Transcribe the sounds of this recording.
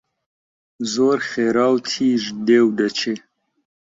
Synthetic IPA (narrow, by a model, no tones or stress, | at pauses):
zoːɾxeɾɑːwt̪ʰiːʒd̪ewɖ̪at͡ʃe